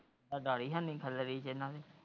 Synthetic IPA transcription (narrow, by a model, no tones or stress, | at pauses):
aɖaːɽiːɦãːnĩːkʰələɾiːt͡ʃɪnːãːʋeː